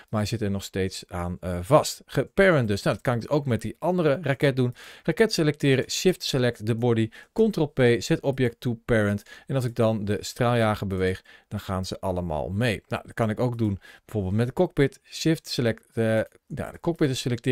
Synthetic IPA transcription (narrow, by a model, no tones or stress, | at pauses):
maɹzɪtɛɹnɔχstejtsaːnəvɑstχəpɛɹənt̚døsnawdɑt̚kɑnɪɡdəsowkmɛt̚diʔɑndərərakɛt̚dunrakɛtselɛk̚tɪːɾəʃɪftselɛk̚tdəbɔdikɔntrolˠpejz̥ɛtɔpjɛk̚tupɛɹəntɛnɑlˠs̬ɪɡ̚dɑndəstraːlˠjaːχəbəʋejχd̥ɑnχaːnz̥əʔɑ̰ləma̰ːlˠmejna̰wdɑt̚kɑnɪkowk̚dunbɛvoːɹbɪːlˠtmɛt̚dəkɔk̚pɪtsɪftsəlɛk | ja̰dəkɔk̚pɪtəselɛk̚tɪ